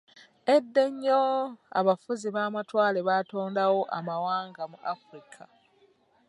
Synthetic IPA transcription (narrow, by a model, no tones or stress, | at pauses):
e̞dːe̞ɲːo̞a̰βafuziβaːmatwaːleβaːto̞ːndawo̞ʔamawaːŋɡamuʔafuɾikʰa